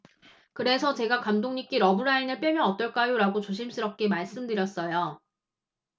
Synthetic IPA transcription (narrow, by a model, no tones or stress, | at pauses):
kɯɾe̞sʰʌt͡ɕe̞ɡakamdoŋɲik͈iɾʌbɯɾainɯɭp͈jʌmjʌnʌt͈ʌɭk͈ajoɾaɡot͡ɕoɕ̬ʰimsʰɯɾʌp̚k͈emaɭs͈ɯmdɯɾjʌs͈ʌjo